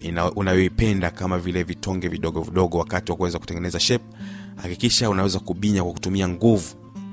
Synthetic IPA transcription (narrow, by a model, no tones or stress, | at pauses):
unajɔipɛndakamavilɛvitʰɔŋɡɛviɗɔɠɔviɗɔɠɔwakatiwakuwɛzaku̥tɛŋɡɛnɛzaʃɛp̚hakikiʃaunawɛzakuɓiɲakwaku̥tumiaŋɡuvu